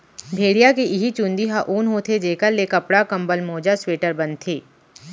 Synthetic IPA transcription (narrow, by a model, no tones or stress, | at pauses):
bʱeːɽijakiʔɪɦit͡ʃũːnd̪iɦaʔuːnɦõːt̪ʰed͡ʒeːkəɾleːkɐpɽakɐ̃mbəlmoːd͡ʒasweːʈəɾbɐnt̪ʰiː